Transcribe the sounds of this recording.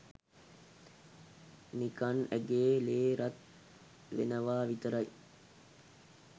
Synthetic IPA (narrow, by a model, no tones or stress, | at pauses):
nikɐnæɡeːleːɾɐt̪̚ | ʋḛnəʋaːʋit̪əɾɐj